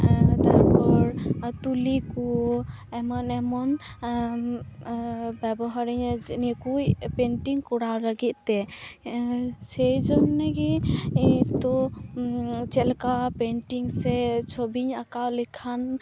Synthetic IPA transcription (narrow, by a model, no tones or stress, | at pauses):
t̪aɾpɔɾt̪ulikɔ | ɛmɔnɛmɔn | bɛbɔɦaɾiɲnikujpɛnʈiŋkɔɽawləɡit̪̚t̪ɛ | sɛjd͡ʒɔnnaɡɛ | t̪ɔ | t͡ʃɛlkapɛɳʈiŋsɛt͡ʃʰɔbiɲakawlikʰan